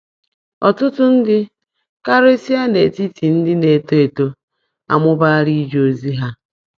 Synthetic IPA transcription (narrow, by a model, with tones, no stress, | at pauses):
ɔ˨tʊ˦tʊ˦n̩˦dɪ˦ | ka˦ɾe˦si˦a˦ne˨ti˦ti˨n̩˦dɪ˦ne˨to˦e˨to˦ | a̰˨mʊ˦ba˦ɾi˦d͡ʒo˨zi˦ɦa˦